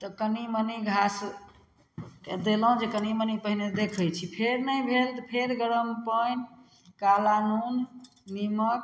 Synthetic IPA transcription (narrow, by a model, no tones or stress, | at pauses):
t̪ɔkəniməniɡʱas | ed̪elɦũd͡ʒekənimənipəɦined̪ekʰəjt͡ʃʰipʰeɾnəjbʱelt̪ɔpʰeɾɡəɾəmpən | kalanunː | imək̚